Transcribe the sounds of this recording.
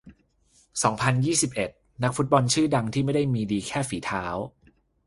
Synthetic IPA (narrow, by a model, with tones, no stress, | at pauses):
sɔː˩˦ŋpʰa˧njiː˥˩si˨˩p̚ʔe˨˩t̪̚ | na˦˥k̚fu˦˥t̪̚bɔ˧nt͡ɕʰɯː˥˩da˧ŋt̪ʰiː˥˩ma˥˩jda˥˩jmiː˧diː˧kʰɛː˥˩fiː˩˦t̪ʰaː˦˥w